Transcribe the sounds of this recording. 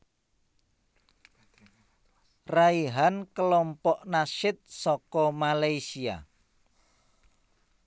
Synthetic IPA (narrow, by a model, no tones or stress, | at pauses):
raiɦankəlɔmpɔʔnaʃɪt̪̚sɔkɔmalaisia̰